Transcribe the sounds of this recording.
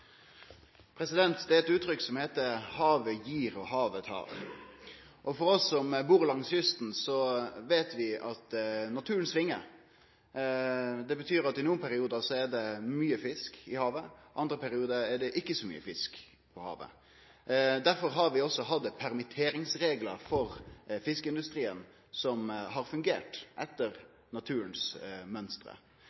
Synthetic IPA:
pʰɾɛsɪd̪ɛnt̪d̪ɛɛt̪ʉːt̪ʰɾʏkːsɔmheːt̪əhɑːʋəjiːɾɔhɑːʋət̪hɑ̰ːʋ | ʔɔfɔɾɔsːɔmbuːʁlɑŋsjʏst̪n̩sɔʋeːt̪ʋɪɑt̪nɑt̪ʰʉːɾənsʋɪŋːəɾ | d̪ɛbət̪ʰyːɾɑt̪ɪnuːənpʰæɾɪuːd̪ɑsɔɛɖ̪ɛmyːəfɪskɪhɑːʋəʔɑnd̪ɾəpʰæɾɪuːd̪əɛɖɛʔɪkːəsɔmy̰ːəfɪsk | pʰɔhɑ̰ːʋə̰ | d̪æɾfɔɾɦɑɾʋɪɔsːɔɦɑd̪əpʰæɾmɪt̪ʰeːɾɪŋsɾeːɡləɾfɔɾfɪskəɪnd̪ʉst̪ɾiːən | sɔmɦɑɾfʉŋɡḛːʈʔɛt̪ːəɾ | nɑt̪ʰʉːɾənsmœnst̪ɾə̰

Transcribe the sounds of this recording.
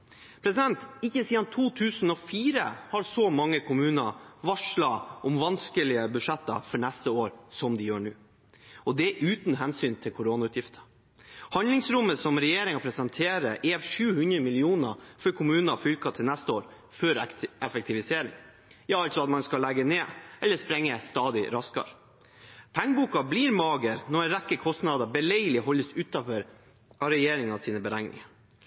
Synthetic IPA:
pʰɾɛsɪd̪ɛnt̪ɪkːəsiːd̪ɑnt̪ʰuːt̪ʰʉːsn̩ɔfiːɾə̰hɑɾsɔmɑŋːəkʰʊmʉːnəʋɑʂɭɑʔɔmʋɑnskəlɪəbʉʂɛt̪ːɑ̰fɔɳɛst̪əoːɾsɔmd̪ɪjøːɳʉː | ʔɔd̪ɛʔʉːt̪n̩ɦɛnsyːnt̪ʰɪlkʰʊɾoːnɑʉːt̪jɪft̪ʰə̥ | hɑnd̪lɪŋsɾʊmːəsɔmɾɛjeːɾɪŋɑpʰɾɛsɛnt̪ʰeːɾəʔeːʋʂʉːhʉnd̪ɾəmɪlɪuːnə̰fɔɾkʰʊmʉːnɑfʏlkɑt̪ʰɪlnæst̪əoːɾ | fœɾɛfɛk̚t̪ʰɪʋɪseːɾɪ̰ŋ | jɑːɑlt̪sɔɑt̪mɑnskɑlɛɡəneːʔɛlːəspɾɛŋːəst̪ɑːd̪ɪɾɑskɑ̰ɾ | pʰæŋːbuːkɑbliːɾmɑːɡəɾnɔɛnɾɛkːəkʰɔst̪nɑd̪əbɛlɛɪəlɪɦɔlːəsʉːt̪ɑfœɾ | ʔɑɾɛjeːɾɪŋɑsiːnəbəɾæŋnɪ̰ŋə

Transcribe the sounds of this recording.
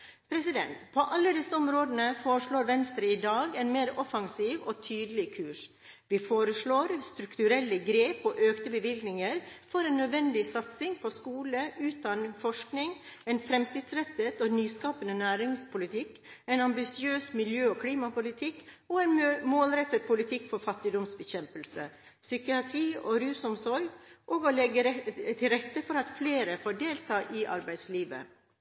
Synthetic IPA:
pʰɾɛsɪd̪ɛ̰nt̪pʰɔʔɑlːəd̪ɪsəɔmɾoːd̪ənəfoːɾəʂɭoːɾʋɛnst̪ɾəɪd̪ɑːɡɛɪnmeːɾɔfɑŋsiːʋɔːt̪ʰyːd̪əlɪkʰʉːʂ | ʋɪfoːɾəsɭoːɾst̪ɾʉkt̪ʉɾɛlːəɡɾeːpɔːʔøːkt̪əbəʋɪlɡnɪŋəɾfɔɾɛɪnːœd̪ʋɛnd̪ɪsɑt̪sɪŋpʰɔskuːləʔʉːt̪ɑnfɔʂknɪŋɛɪnfɾɛmt̪iːd̪sɾɛt̪ːət̪ɔnyːskɑːpənənæːɾɪŋspʰʊlɪt̪ʰɪkː | ɛɪnɑmbɪsɪøːsmɪljøːɔkʰliːmɑpʊlɪt̪ʰɪkːɔɛɪnmoːlɾɛt̪ːət̪̚pʰʊlɪt̪ʰɪkːfɔɾfɑt̪ːɪd̪ɔmsbəçɛmpəlsə̰ | sʏkɪɑt̪ʰɾiːʔɔɾʉːsʊmsɔɾɡʔoːɡɔlɛɡət̪ʰɪlɾɛt̪ːəfɔɾɑt̪fleːɾəfoɖeːlt̪ʰɑːʔɪʔɑ̰ɾbæɪd̪sliːʋə̰

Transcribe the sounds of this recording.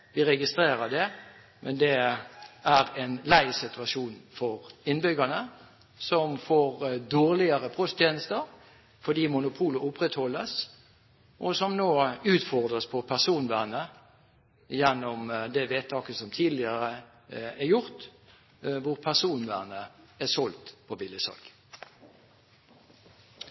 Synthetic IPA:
ʋɪʁɛɡɪst̪ɾeːɾəd̪ɛ | mʔɛnd̪ɛ | æɾɛnlæɪsɪt̪ʉɑʂuːnfɔɾɪnbʏɡənə | sɔmfoːɾd̪oːʁlɪəɾəpʰʁɔst̪ʰjeːnəst̪əɾ | fɔd̪iːmʊnʊpʰuːləʊpʁɛt̪hɔlːəs | ʔɔsɔmnoːʉːt̪fɔʁd̪ʁəspʰɔpʰæʁsuːnʋæːnə | jɛnːɔmd̪ɛʋeːt̪ʰːɑːkəsɔmt̪ʰiːd̪lɪəʁə | æɾjʊʁt̪ | ʋʊʁpʰæʁsuːnʋæ̰ːnəæsɔlt̪pʰɔbɪlɪsɑ̰lɡ

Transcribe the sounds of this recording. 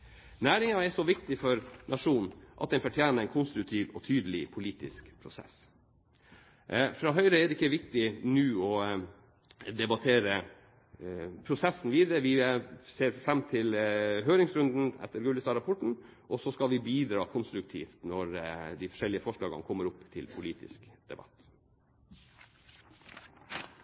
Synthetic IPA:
næːɾɪŋɑɛʂɔʋɪkt̪ɪfɔɾnʔɑʂuːnʔɑt̪̚d̪ɛnfɔʈʰjæːnəɛɪnkʰʊnst̪ɾʉk̚t̪ʰiːʋɔt̪ʰyːd̪əlɪpʰʊliːt̪ɪ̰skpʰɾʊsɛ̰s | fɾɑːɦœʏɾəɛd̪ɛɪkːəʋɪkt̪ɪnʉːɔ | d̪ɛbɑt̪ʰeːɾə | pʰɾʊsɛsːn̩ʋiːd̪əɾəʋɪseːɾfɾɛmːt̪ʰɪlɦøːɾɪŋsɾʉnd̪n̩ɛ̰t̪ʰːəɾɡʉləsɑɾɑpʰɔʈɳ̩ | ʔɔsɔskɑlʋɪbiːd̪ɾɑːkʰʊnst̪ɾʉk̚t̪ʰḭːft̪nɔɾd̪ɪfɔ̥ʂɛlɪəfɔʂlɑːɡə̰nkʰɔmːəɾʊpːt̪ʰɪ̰lpʰʊliːt̪ɪ̰skd̪̥ɛ̰bɑ̰t̪ː

